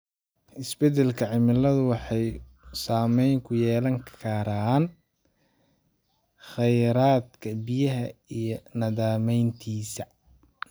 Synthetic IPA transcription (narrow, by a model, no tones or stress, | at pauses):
ʔɪsbɛd̪ɛlkʰɐʕɪmɪlɐðʊwɑħɑj | saːmɛjŋkʰʊjɛːlɐŋkʰɐɾaːn | χɛjɾaːd̪kʰɐbɪjɐɦɐijɞnɐðaːmɛjnt̪ʰiːsɐ